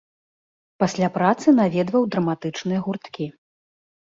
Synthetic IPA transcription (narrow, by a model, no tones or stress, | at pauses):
pasʲlʲapɾat̪sɨnavʲɛd̪vɐwd̪ɾɐmat̪ɨt͡ʂnɨjɐɣurt̪kʲi